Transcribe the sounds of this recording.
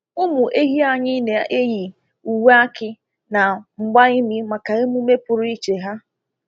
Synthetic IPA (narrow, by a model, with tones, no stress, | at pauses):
ʊ˦mʊ˨ʔe˦ɦi˦a˨ɲɪ˦ne˨a˨ʔe˦ji˨ | u˨we˦a˦kɪ˦ | na˨ŋ͡m̩˨ɡ͡ba˦i˦mi˦ma˨ka˨e˦mu˦me˦pʊ˨ɾʊ˦i˦t͡ʃe˨ɦa˦